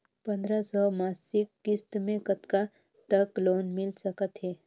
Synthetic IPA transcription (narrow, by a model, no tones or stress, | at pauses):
pə̃nd̪ɾasɔmaːsɪkːɪst̪mẽkət̪ka | t̪əkloːnmɪlsəkət̪ɦɛː